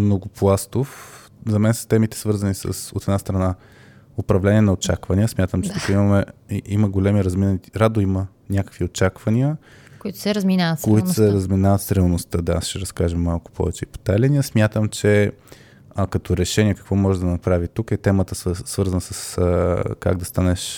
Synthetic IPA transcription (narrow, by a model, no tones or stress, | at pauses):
mnoɡʊplˠast̪of | zɐmɛnsə̥st̪ɛmit̪ɛ̥svɤɾzənisə̰sot̪ɛd̪nast̪ɾɐna | opɾɐvlɛniɛnɐot͡ʃakvɐnʲiəsmʲjat̪əmt͡ʃɛ̥t̪ukiməmɛiməɡolʲɛmiɾɐzminəniiɾad̪oimə | nʲakə̥kviot͡ʃakvɐniə | koit̪ʊ̥sɛɾɐzminavət̪skoit̪ʊsɛɾɐzminavət̪sɾʲlˠnost̪əd̪aasʃɛɾɐskaʒəmːalˠkʊ̥pʰɔ̰vɛt͡ʃɛipo̥t̪alɛnʲiəsmʲjat̪əmt͡ʃɛ | kɐt̪ɔɾɛʃɛnʲiɛkə̥kvɔmɔʒɛd̪ɐnɐpɾavit̪ukɛt̪ɛmət̪əssvɤɾzənəsəs | ka̰ɡ̚d̪ɐst̪anɛʃ